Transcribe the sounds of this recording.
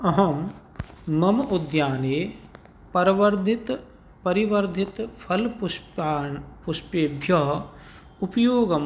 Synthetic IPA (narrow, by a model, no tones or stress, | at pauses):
ɐɦɐm | mɐmɐud̪jaːneː | pɐɾɐʋɐɾd̪ʱit̪ | pɐɾiʋɐɾd̪ʱit̪pʰɐlpː | puʃpeːbʱjɐɦ | upɐjoːɡɐm